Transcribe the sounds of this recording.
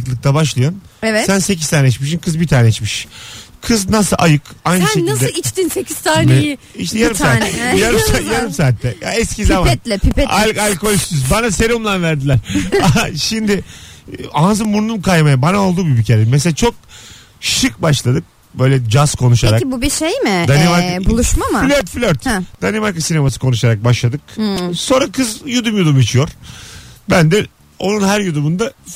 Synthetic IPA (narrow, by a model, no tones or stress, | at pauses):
ɯklˠɯk̚t̪ʰabaʃ̬lˠajɯnɛvɛsænse̞ciz̥t̪ʰaːnɛit͡ʃmiʃ̬inkʰɯzbit̪ʰaːnɛit͡ʃmiʃkʰɯznasɯlʔajɯkajnɯʃenild̪ɛit͡ʃt̪insecʰiz̥t̪aːnmeji | iʃt̪ʰɛjaɾɯmssaːt̪ːɛjaɾɯmsaːjaɾɯmsaːt̪ʰːɛja̰ɛscizamaɛt̪lʲɛpʰipɛaalʲko̞lʲst̪yz̬banaseɾiumlˠanvæɾd̪ilʲæɾaʃimd̪ɪ | azɯmbuɾnumkʰajmajabanao̞lˠd̪uːbibicʰeɾɛmɛs̬elʲat͡ʃʰo̞k̚ | ʃɯk̚baʃlˠad̪ɯk̚ | bø̞jlʲɛd͡ʒaskʰo̞nuʃaɾakibubiʃejmɪd̪animaɾbulˠuʃmamaflʲøɾt̪flʲøɾt̪d̪̥animaɾkasinemasɯ̥kʰo̞nuʃaɾak̚baʃlˠad̪ɯk̚so̞nɾakʰɯzjud̪umjud̪umit͡ʃʰijo̞ɾ̥bænd̪ɛ | o̞̰nunɦæɾjud̪umund̪a